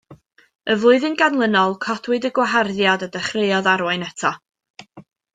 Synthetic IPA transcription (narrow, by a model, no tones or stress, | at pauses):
əvlʊɨðɨnɡanlˠənɔlˠkʰɔdwɪdəɡwaɦarðjadədɛχreɨɔðaɾwaɨnɛtʰɔ